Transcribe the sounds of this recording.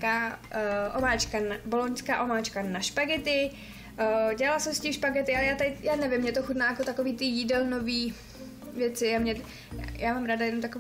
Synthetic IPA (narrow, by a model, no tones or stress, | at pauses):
ka | ʔomaːt͡ʃkanabolonskaːʔo̞maːt͡ʃkanaʃpaɡɛt̪ɪ | ɟɛlalasɛmscimʃpaɡɛt̪ɪʔalɛjaːt̪ajaːnɛvɪmːɲɛt̪oxut̪naːjakot̪akoviːt̪ɪjidɛlno̞viː | vjɛt͡sɪjaːmɲɛ | jaːmaːmɾaːdajɛnomt̪ako